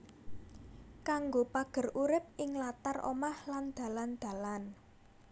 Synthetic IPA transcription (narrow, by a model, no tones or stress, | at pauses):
kaŋɡopaɡ̥ə̤rʔuɾɪp̚ɪŋlat̪arʔo̰mahland̪̥ä̤land̪̥ä̤lan